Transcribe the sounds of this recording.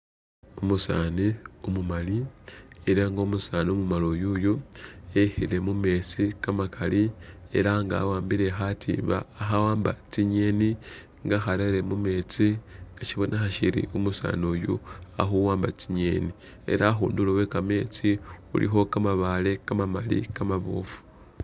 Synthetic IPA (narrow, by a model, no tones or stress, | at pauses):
omusaːniomumalieɾaŋɡoːmusaːniomumalojujuehile̞mume̞t͡sikamakʰalie̞̰ɾaŋɡa̰ːwaːmbiɾe̞xatʰḭːba̰ːxawaːmba̰t͡siɲe̞ːni | ŋɡaxaɾeɾemume̞ːt͡siŋɡ̥aʃiβo̞nʔaxaʃiɾḭomusa̰ːnojua̰xuwaːmbat͡siɲe̞ːni | e̞̰ɾaxuːndulowe̞kame̞ːt͡siṵlḭxo̞kamaβale̞kamamalḭkamaβo̰fu̥